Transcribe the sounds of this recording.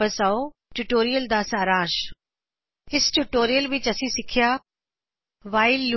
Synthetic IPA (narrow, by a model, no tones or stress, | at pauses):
ɐsaoʈuʈoːɾijəld̪aːsaːɾãːʃ | ɪsʈuʈoːɾijəlʋɪt͡ɕɐsĩsɪkʰijaː | ʋaːɪlː